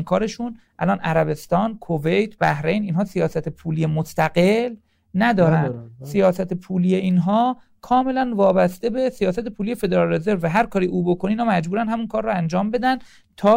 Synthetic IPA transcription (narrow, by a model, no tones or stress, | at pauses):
nkʰɒːɾe̞ʃunʔæ̰lɒːnʔæɾæβe̞st̪ɒːnkʰove̞jt̪ʰbæhɾe̞jniːnɦɒːsijɒːsæt̪ʰepʰuːlijemost̪æɡe̞l | næd̪ɒːɾænd̪sijɒːsæt̪ʰepʰuːliːjeiːnɦɒː | kʰɒːme̞lænvɒːbæst̪ebe̞sijɒːsæt̪epʰuːliːje̞fe̞d̪eɾɒlːezeɾvæɦæɾkʰɒːɾiːʔuːbo̞kʰoneiːnhɔːmæd͡ʒbuːɾænd̪hæmunkʰɒːɾrːɔænd͡ʒɒːmbe̞d̪ænd̪ | t̪ʰɒː